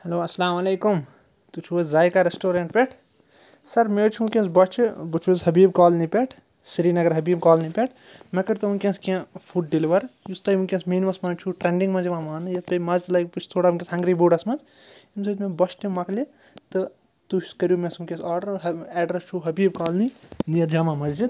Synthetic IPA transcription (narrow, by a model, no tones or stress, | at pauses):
hɐloːɐsɐlaːmɐleːkum | t̪ut͡ʃʰuɐzaːjkaɾesʈoːɾẽɳʈ̚peʈʰ | sɐɾmeːt͡ʃʰukʲẽnsbɐt͡ʃʰbɨt͡ʃʰuzɦɐbiːbkaːlnipʲeʈʰ | siɾiːnɐɡɐɾɦɐbiːb̚kɔːlnipʲeʈʰ | mɐkɐɾt̪ɨunkʲẽnskãpʰuʈ̚ɖiliʋɐɾjust̪ɐunkʲẽsmiːnmɐsmɐnt͡ʃʰuʈɾẽɳɖĩŋɡmɐziʋãːmaːnɨjɐt̪pɐmɐzlɐjkput͡ʃʰt̪ʰoːɽakʲẽsɦɐ̃ŋɡɾiboːɖɐsmɐnz | imsʰɐt̪mẽbɐt͡ʃʰt̪imɐkli | t̪ɨ | t̪ut͡ʃʰskɐɾjuːmesumkʲẽsaːɾɖɐɾɦɛːɖɾest͡ʃʰuɦɐbiːb̚kaːlninijɐɾd͡ʒaːmãmɐd͡ʒd͡ʒid̪